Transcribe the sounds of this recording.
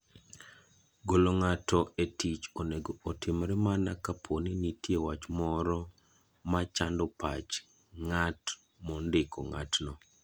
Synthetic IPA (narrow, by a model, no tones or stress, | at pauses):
ɡoloŋatɔetit͡ʃoneɡoːtɪmɾɛmanakapʰoninitjewat͡ʃmɔɾɔ | mat͡ʃandɔpa̰t͡ʃ | ŋat | mɔndɪkɔ̰ŋa̰tnɔ